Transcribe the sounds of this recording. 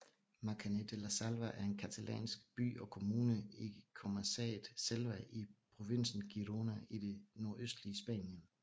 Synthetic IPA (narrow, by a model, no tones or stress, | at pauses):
mɑ̈kʰæned̥elæsælʋæʔæɐe̝nkʰæt͡sʰælʔɛ̰ːnsɡ̥b̥y̰ːɒ̽kʰo̝muːnəikʰo̝mæsɛ̰ːð̩ˠselʋæʔipʰʁo̝ʋe̝n̰sn̩ɡ̥iʁo̝næid̥e̝no̝ɐʔøsd̥liəsb̥ɛ̰ːnjən